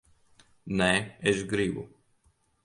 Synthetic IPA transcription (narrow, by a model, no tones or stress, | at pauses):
nɛɛʃɡɾibu